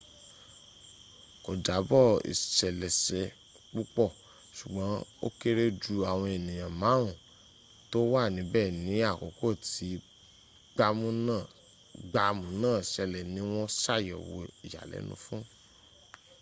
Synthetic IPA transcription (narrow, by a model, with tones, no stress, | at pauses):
ko˨d͡ʒa˨˦bɔ˦˨ḭ˨ʃɛ˨lɛ˨sɛ˨ | k͡pu˦k͡pɔ˦˨ | ʃu˨ɡ͡bã˨˦o̰˦ke˦ɾe˦d͡ʒu˧a˨w̃ɔ̃˧e˨nĩ˨jã˨mã˨˦ũ˨ | to˦wa˦˨nĩ˨˦bɛː˦˨nĩ˨˦a˦˨ko̰˨˦ko˦˨ti˨˦ | ɡ͡ba˧mũ˦nã˦˨ | ɡ͡ba˧mũ˨˧˦nãː˦˨ʃɛ˧lɛ˨nĩ˨˦w̃ɔ̃˦sa˦˨jɔ˨wo̰˧i˨ja̰˨lɛ̰˨˦nṵ̃˧˦fũ˦